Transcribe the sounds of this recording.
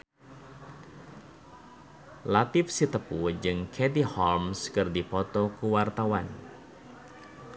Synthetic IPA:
lat̪ɪfsit̪əpud͡ʒɨŋkʰɛdihɔlmskɨrdipɔt̪ɔkuwart̪awan

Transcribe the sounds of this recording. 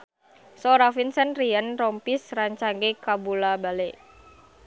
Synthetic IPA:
soɾafinsənriənrɔmpisraɲt͡ʃaŋɡekabulabale

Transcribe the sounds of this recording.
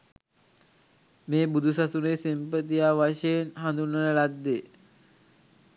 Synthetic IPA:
meːbud̪ʱusasunesimpət̪ijaʋaʃeenhand̪unənəlad̪ːe

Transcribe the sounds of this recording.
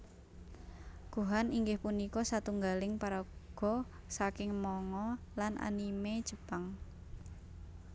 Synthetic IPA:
ɡ̥uɦaniŋɡɪhpunikɔsat̪uŋɡalɪŋpaɾaɡ̥ɔ̤ | sakɪŋmɔŋɔlanʔa̰nimed̥ʒ̥ə̤paŋ

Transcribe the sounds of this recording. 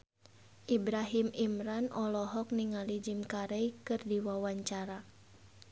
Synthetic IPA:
ʔibɾaɦimimɾanɔlɔɦɔk̚niŋalid͡ʒimkaɾɛikɨrdiwawaɲt͡ʃaɾa

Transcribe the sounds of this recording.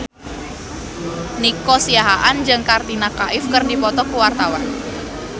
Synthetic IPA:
nikɔsiaɦaʔand͡ʒɨŋkard̪inakaʔɪfkərdipɔt̪ɔkuwart̪awan

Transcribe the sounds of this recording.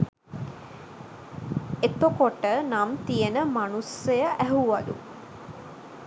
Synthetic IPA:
et̪okoʈənamt̪ijenəmanusejaʔæɦuʋad̪ṵ

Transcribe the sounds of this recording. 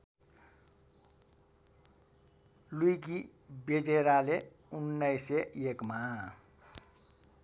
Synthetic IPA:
luikibed͡ʒeɾale | unːəjseekma

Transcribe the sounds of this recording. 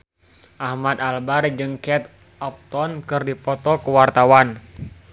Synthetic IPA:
ʔahmad̪albard͡ʒɨŋkɛt̪̚ | ʔɔp̚t̪ɔnkɨrdipɔt̪ɔkəwart̪awan

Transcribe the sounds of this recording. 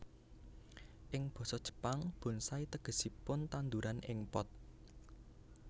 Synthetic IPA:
ʔɪŋb̥ɔ̤sɔd̥ʒ̥ə̥̤paŋb̥ʊ̤nsait̪əɡ̥ə̤sipʊnt̪and̪uɾanʔɪ̰ŋpɔt̪̚

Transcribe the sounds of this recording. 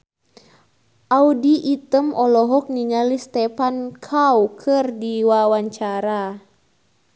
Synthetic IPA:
ʔaudiʔːt̪əmɔlɔɦɔk̚niŋalist̪ɛpankʰawkʰɨrdiwawaɲt͡ʃaɾa

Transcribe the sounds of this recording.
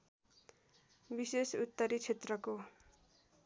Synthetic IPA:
bisesut̪ːʌɾit͡sʰet̪rʌko

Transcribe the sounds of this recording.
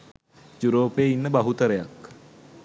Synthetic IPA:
d͡ʒuɾoːpeːinːəbɐɦut̪əɾəjak

